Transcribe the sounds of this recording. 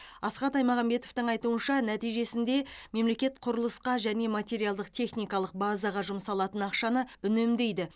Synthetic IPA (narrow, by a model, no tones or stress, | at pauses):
ɑsqɑt̪ɑjmɑʁɑmbe̞t̪o̞ft̪ɪɴɑjt̪uənʃɑnæt̪ijʒe̞sɪnd̪e̞me̞mle̞kʲe̞t̪̚qʰʊɾəlˠəsqɑʒæne̞mɑt̪ʲe̞ɾijalˠd̪əq̚t̪ʰe̞χnijkɑlˠəq̚bɑzɑʁɑʒʊmsɑlˠɑt̪ənɑqʃɑnəʏnemd̪e̞jd̪ɪ